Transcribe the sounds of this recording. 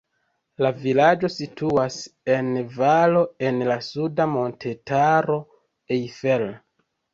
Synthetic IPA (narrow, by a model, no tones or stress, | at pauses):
lavilad͡ʒo̞sitʰuase̞nvalo̞e̞nlasudamo̞ntʰe̞taɾo̞ | ejfel